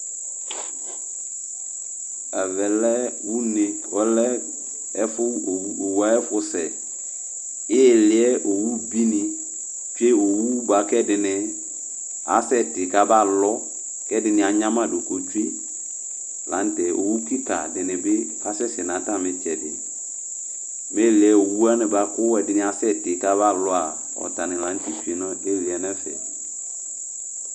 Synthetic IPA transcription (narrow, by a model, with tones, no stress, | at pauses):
ɛ˨vɛ˨lɛ˦wu˦nɪ̃˨ | ɔ˦lɛ˦ | ɛ˦fʊ˦˨˦o˨wu˨˦a˨˦ɛ˦fʊ˦sɛ˨ | jɪ˦˨lɪ˨˦ɛ˦ʔo˨wu˦bi˦nɪ̃˨ | fe˦o˨wu˦ba˨kɛ˦dɪ˨nɪ˨ | a̰˨˦sɛ˦tɪ˨ka˦ba˦lɔ˦ | kɛ˦dɪ˨nɪ̃˨a˨ɲã˦mã˦˨do˨ko˨t͡ʃu˦i˦ | lã̰˨˦n˦tɛ˨o˨wu˦ki˦ta̰˨dɪ˨nɪ̃˨bɪ˦ba˦sɛ˦sɪ˨nã˨˦ta˦mɪ˨t͡ʃɛ˨dɪ̰˨ | me˦˨lɪ˨ɛ˦o˨wu˦a˦nɪ̃˨ba˨kʊ˦wɛ˨dɪ˨nɪ̃˨a˨sɛ˦˨tɪ˨ka˦ba˦lɔ˦a˨ | ɔ̰˨ta˨nɪ̃˨lã˨˦n˦ti˨t͡ʃi˦nɔ̃˦e˦˨lɪ˨ɛ˨nɛ˦fɛ̰˨